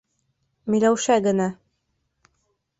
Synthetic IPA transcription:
mɘ̆jlæwʃæɡɘ̆næ

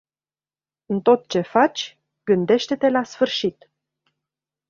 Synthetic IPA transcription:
ɨnt̪o̞t̪̚t͡ʃe̞fat͡ʃʲ | ɡ̥ɨnd̪e̞ʃt̪e̞t̪e̞lasfɨrʃit̪

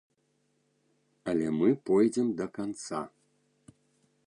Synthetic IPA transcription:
ɐlʲɛmɨpɔjd͡zʲɛmd̪ɐkant̪sa̰

